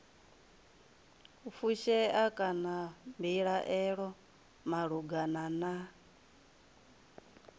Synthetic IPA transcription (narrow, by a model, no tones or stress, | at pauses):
ufuʃɛakʼanambiɺaʔɛɺɔ | maɺuɡanana